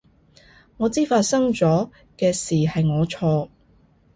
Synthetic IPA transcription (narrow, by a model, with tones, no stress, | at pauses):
ŋɔː˨˧t͡siː˥faː˧t̚sɐ˥ŋt͡sɔː˨˥ | kɛː˧siː˨hɐ˨jŋɔː˨˧t͡ʃʰɔː˧